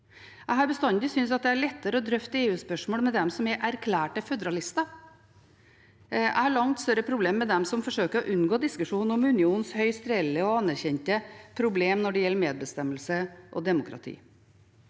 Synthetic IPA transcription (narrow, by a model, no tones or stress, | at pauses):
æɪɦɑɾbəst̪ɑnd̪ɪsʏnsɑt̪̚d̪ɛæɭɛt̪ːəɾəɔd̪ɾœft̪əeːʉːspœʂmoːlmɛd̪ɛmsɔmæʔæɾkʰlæːʈəfœd̪əɾɑlɪst̪ɑ | æ̰ɪhɑɭɑŋt̪st̪œɾəpʰɾʊbleːmːɛd̪ɛmsɔmfɔʂøːkəɾɔʔʉnɡoːd̪ɪskʉʂuːnəɾɔmʉnɪuːnn̩shœʏst̪ɾɛlːəɔɑnːæɾçɛnt̪əpʰɾʊbleːmnɔɖɛjɛlːəɾmeːd̪̚bəst̪ɛmːəlsəʔɔ̰d̪ɛmʊkʰɾɑ̰t̪ʰḭː